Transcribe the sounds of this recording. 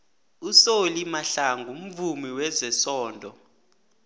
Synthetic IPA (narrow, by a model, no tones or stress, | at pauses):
usolimaɬaŋɡʱum̩vumiwɛzɛsɔːndʱɔ